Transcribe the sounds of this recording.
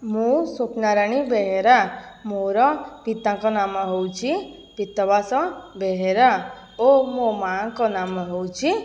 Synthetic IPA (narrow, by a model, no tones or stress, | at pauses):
mũsopnaɾañibeɦeɾamoɾɔpit̪ãkɔnaːməɦowt͡ʃʰi | pit̪ːɔbasɔbeɦeɾa | omomaːŋkɔnaməɦowt͡ʃʰi